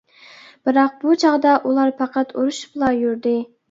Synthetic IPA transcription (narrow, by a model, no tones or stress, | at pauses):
b̥ɨɾɑq̚but͡ʃʰɑʁd̪ɑʔulˠɑɾpʰɑqʰɑt̪ʰuɾuʃblˠɑjuɾd̪ɪ